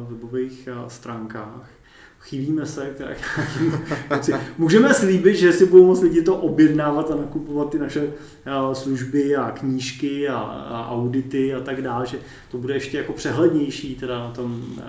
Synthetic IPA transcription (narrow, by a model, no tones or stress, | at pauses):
vɛbo̞vejxst̪ɾaːŋkaːx | xɪbiːmɛsɛt̪ɛɾa̰kɲaːkiːmumot͡sɪmuːʒɛmɛsliːbɪt̪ʒɛsɪbudowmot͡slɪɟɪt̪o̞ʔobjɛdnaːvat̪anakupovat̪̚ːɪnaʃɛ | sluʒbɪakɲiːʃkɪa̰ʔa̰wdɪt̪ɪat̪aɡdaːlʒɛ | t̪o̞budɛɛʃcɛjako̞pr̝̥ɛɦlɛdɲɛjʃiːt̪ɛdanat̪o̞m